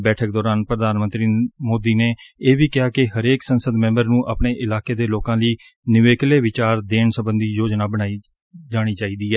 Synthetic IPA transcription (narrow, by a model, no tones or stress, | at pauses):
bɛːʈʰək̚d̪ɔːɾaːnpɾəd̪aːnmə̃nt̪ɾiːmoːd̪iːneːeːʋiːkɪaːkɪɦəɾeːksənsəd̪mɛ̃mbəɾnũːʔa̰ːpɳeːʔɪlaːkeːd̪eːloːkãːliː | nɪʋeːkleːʋɪt͡ʃaːɾd̪eːɳsəbənd̪iːjoːd͡ʒnaːbəɽ̃aːiː | d͡ʒaːɽ̃iːt͡ʃaːiːd̪iːɛː